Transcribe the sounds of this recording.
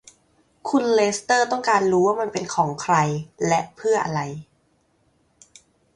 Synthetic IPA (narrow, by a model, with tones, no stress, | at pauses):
kʰu˧nleː˦˥st̪ɤː˥˩t̪ɔ˥˩ŋkaː˧nɾuː˦˥waː˥˩ma˧npe˧nkʰɔː˩˦ŋkʰɾa˧jlɛ˦˥ʔpʰɯ˥˩ɐʔa̰˧ɾa˧j